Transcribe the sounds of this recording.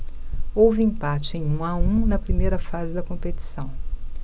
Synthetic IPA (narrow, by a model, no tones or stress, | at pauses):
owvɪẽpat͡ʃɪẽj̃ũaũnɐpɾimejɾɐfazɪd̪ɐkõpet͡ʃi̥sɐ̃w̃